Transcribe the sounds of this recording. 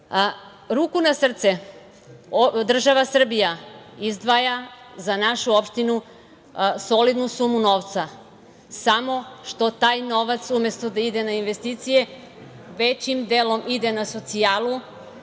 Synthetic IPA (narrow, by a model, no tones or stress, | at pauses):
ɾuːkunasr̩t̪se | od̪r̩ʒaʋasr̩bijaizd̪ʋaja | zanaʃuopʃt̪inu | solid̪nusumuno̞ʋt̪sa | samo̞ʃt̪o̞t̪aːjno̞ʋat̪sume̞st̪od̪aid̪enainʋe̞st̪it̪sije | ʋet͡ɕimd̪elo̞mʔid̪enaso̞t̪sijaːlˠu